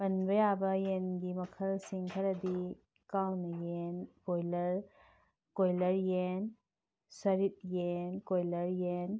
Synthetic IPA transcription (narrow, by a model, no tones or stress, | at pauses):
pɐnbɐjabɐjenɡimɐkʰɐlsiŋkʰɐɾɐdi | kawnɐjenkojlɐɾ | kojlɐɾjen | sɐɾit̚jenkojlɐɾjen